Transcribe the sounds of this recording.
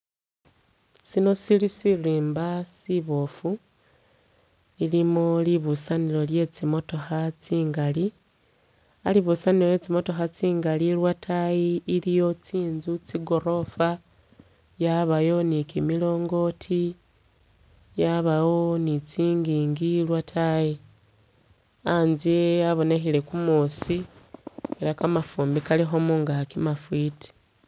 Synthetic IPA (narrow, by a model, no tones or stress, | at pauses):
sino̞silisiriːmbasiβo̞fu | ilimoliβusanilo̞lje̞t͡simo̞to̞xat͡siːŋɡali | a̰liβusanilo̞je̞t͡simo̞to̞xat͡siːŋɡaliɾwatʰajiːlijo̞t͡siːnzut͡siɡoɾo̞fa | jaβajo̞nikimilo̞ːŋɡo̞tʰi | jaβawo̞nit͡siːŋɡiːŋɡilwatʰaji | anziaβo̞ne̞xile̞kumusi | eɾakamafuːmbikalixo̞muŋɡakimafwiti̥